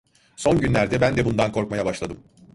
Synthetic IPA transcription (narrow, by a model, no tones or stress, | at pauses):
so̞nɟynlʲæɾd̪ɛbænd̪ɛbund̪ankʰo̞ɾkmajabaʃlˠad̪ɯm